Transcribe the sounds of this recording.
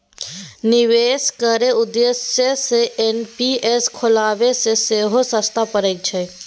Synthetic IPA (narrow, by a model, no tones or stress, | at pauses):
nɪʋeːskəɾeʊd̪esjeseʔenpiːʔeskʰʊlaːʋeseseːɦosəst̪ʰapəɾek̚t͡ʃʰəe